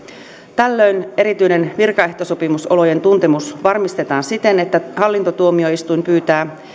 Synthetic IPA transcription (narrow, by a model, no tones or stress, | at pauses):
t̪ælːø̞jne̞ɾit̪yjne̞nʋirkɑe̞ht̪o̞so̞pimuso̞lo̞je̞nt̪unt̪e̞musʋɑrmist̪e̞t̪ɑːnsit̪e̞net̪ːæhɑlːint̪ot̪uo̞mio̞ist̪ujmpyːt̪æː